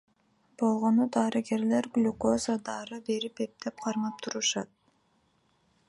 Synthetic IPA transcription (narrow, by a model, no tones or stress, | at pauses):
b̥o̞lˠʁo̞nud̪ɑːɾɨɡe̞ɾle̞ɾɡlʲukozad̪ɑɾɯbe̞ɾipe̞p̚t̪ep̚qʰɑɾmɑp̚t̪ʰuɾuʃɑt̪̚